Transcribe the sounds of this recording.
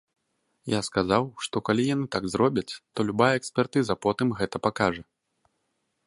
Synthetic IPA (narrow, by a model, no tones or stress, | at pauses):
jaskazawʂt̪ɔkalʲijanɨt̪aɡzɾɔbʲɐt͡sʲt̪ɔlʲubajɐɛksʲpʲɛrt̪ɨzɐpɔt̪ɨmɣɛt̪ɐpakaʐɐ